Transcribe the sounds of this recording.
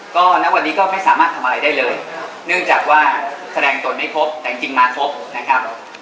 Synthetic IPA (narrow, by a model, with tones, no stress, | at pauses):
kɔː˥˩na˦˥wa˧nːiː˦˥kɔː˥˩ma˥˩jsaː˩˦maː˥˩t̪ʰa˧m˧aː˧jdaː˥˩jlɤː˧j | nɯ˥˩ŋt͡ɕaː˨˩k̚waː˥˩sa˧ɛː˧ŋt̪u˨˩n̚ma˥˩pʰo˦˥p̚t̪ɛː˨˩t͡ɕi˧ŋt͡ɕi˧ŋmaː˧pʰo˦˥p̚na˦˥kʰa˦˥p̚